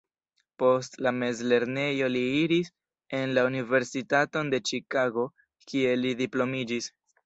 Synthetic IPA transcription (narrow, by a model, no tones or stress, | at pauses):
po̞stlame̞zle̞ɾne̞jo̞liiɾis | e̞nlaunive̞ɾsitato̞nde̞t͡ʃikaɡo̞ | kie̞lidiplo̞mid͡ʒis